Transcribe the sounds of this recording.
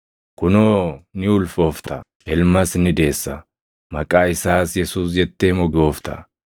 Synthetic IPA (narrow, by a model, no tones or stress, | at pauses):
kʊnoːnɪʊlfo̞ːft̪ʰɐ | ɛlmɐsnɪd̪e̞ːsːɐ | mɐkʼaːɪsaːsjɛsuːs̬d͡ʒɛt̪ːeːmɔɡo̞ːft̪ɐ̰